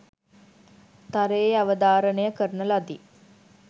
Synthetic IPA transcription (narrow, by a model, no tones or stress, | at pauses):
t̪aɾeːaʋəd̪aːɾənəjəkəɾənəlad̪i